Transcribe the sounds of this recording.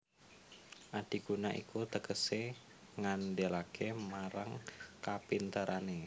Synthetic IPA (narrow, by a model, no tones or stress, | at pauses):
ʔad̥i̤ɡ̥unaʔḭkut̪əkəse | ŋanɖelakemaɾaŋkapint̪əɾʔane